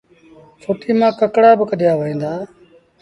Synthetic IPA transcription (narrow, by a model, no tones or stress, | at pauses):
fʰoːt̪iːmãːkəkɽaːbəkəd̪ʱɪjaːʋəɦĩːnd̪aː